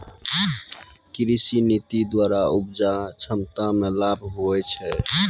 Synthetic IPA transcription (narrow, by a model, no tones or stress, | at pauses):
kɾisinit̪id̪waɾaubd͡ʒat͡ʃʰəmt̪amelabʱɦoɛt͡ʃʰɛ